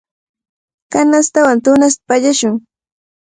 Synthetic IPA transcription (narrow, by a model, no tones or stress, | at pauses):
kanast̪awant̪ʊnas̬t̪ḁpaʎaʃʊŋ